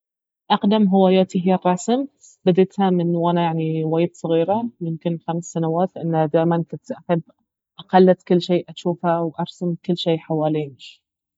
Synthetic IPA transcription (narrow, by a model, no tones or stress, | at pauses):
ʔɑqd̪amɦɪwaːjaːt̪iɦɪjarˤːɑːsm | b̥ɪd̪ɪt̪hamɪnːwʔanajaʕniwaːjd̪sˤɑɣiːɾamʊmkɪnxamsːanawaːt̪lʔɪnːhad̪aːjmankʊnt̪ʔaħɪbː | ʔaqɑlːat̪kʊlːʃeːʔʔaʃuːfhawʔɑɾˤsamkʊlːʃeːʔħawaːliːnʃ